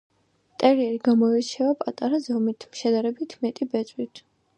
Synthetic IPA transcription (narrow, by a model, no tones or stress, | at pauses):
t̪ʼɛɾiɛɾiɡamɔɛɾt͡ʃʰɛvapʼat̪ʼaɾazɔmit̪ʰmʃɛd̪aɾɛbit̪ʰmɛt̪ʼibɛt̪sʼwit̪ʰ